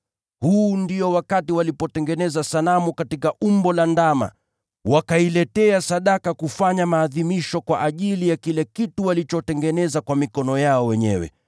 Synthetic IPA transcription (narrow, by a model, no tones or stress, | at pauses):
huːndiɔwakatiwalipɔtɛŋɡɛnɛzasalamukatikaʔumbɔlandama̰ | wakailɛtɛasaɗakakufaɲamaːðimiʃɔkwaʔaʄilijakilɛkituwalit͡ʃɔtɛŋɡɛnɛzakwamikɔnɔjaɔwɛɲɛ̰wɛ̰